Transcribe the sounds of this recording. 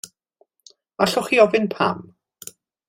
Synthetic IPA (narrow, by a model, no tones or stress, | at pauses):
aɬʊχiɔvɪnpʰa̰m